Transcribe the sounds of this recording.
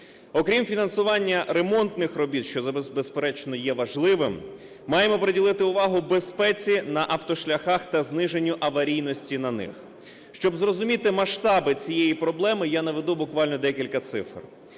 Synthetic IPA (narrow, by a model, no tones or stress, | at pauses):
ɔkɾʲimfʲinɐnsʊʋɑnʲːɐɾemɔnt̪nɪxrɔbʲit̪ʃt͡ʃɔzɐbezbespeɾɛt͡ʃnɔjɛʋɐʒlˠɪʋɪmː | ɑjemɔpɾedʲilˠɪt̪ɪʊʋɑɦʊbespɛt͡sʲinɐʔɐwt̪ɔʃlʲɐxɑxt̪ɐznɪʒenʲːʊʔɐʋɐɾʲijnɔsʲtʲinɐnɪ̰x | ʃt͡ʃɔbzrɔzʊmʲit̪ɪmɐʃt̪ɑbɪt͡sʲijɛjipɾɔblˠɛmɪjanɐʋed̪ubʊkʋɑlʲnɔd̪ɛkʲilʲkɐt̪sɪ̰fr